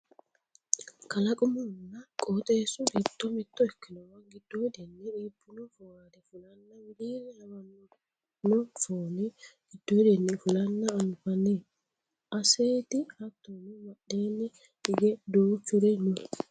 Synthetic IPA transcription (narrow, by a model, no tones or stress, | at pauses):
kɐlɐkʼʊmɔnːɐkʼoːt̪ʼesʊɡɪd̪ːɔmɪt̪ːɔɛkːɪnɔwɐŋɡɪd̪̥ːod̪ɛnːɛᶑiːbːʊnɔfʊwaːd̪ɛfʊlɐnːɐwɪd̪iːnɛɐmɐn | nɔfoːnɛɡ̥ɪd̪ːod̪ɛnːɛfʊlɐnːɐːnfɐnːe | ʔɐseːt̪ɪhɐt̪ːɔnɪwɐɗːeːnːɪ | ᶑɪɡɛd̪oːt͡ʃːʊɾɛɲːɔ